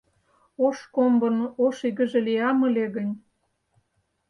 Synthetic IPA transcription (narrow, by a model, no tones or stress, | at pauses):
oʃkombɤ̆noʃiɣə̆ʒĕliɑmə̆lʲeɣənʲ